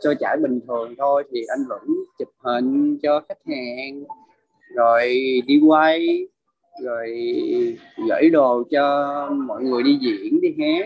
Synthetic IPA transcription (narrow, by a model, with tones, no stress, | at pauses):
t͡ɕɔ˧t͡ɕa̰ː˧˩jɓï˨˩ŋ̟t̪ʰɨ˨˩əŋt̪ʰo˧jt̪ʰi˨˩ʔa˧jŋ̟və̰˧˥nt͡ɕɨ˨˩p̚hï˨˩ŋ̟t͡ɕɔ˧xa˦˥k̚haː˨˩ŋ | zo˨˩jɗi˧wa˧j | zo˨˩j | ɣə̰˧˥jɗo˨˩t͡ɕɔ˧mɔ̰˧˨jŋɨ˨˩əjɗi˧zḭ˧˨ənɗi˧ɦaː˦˥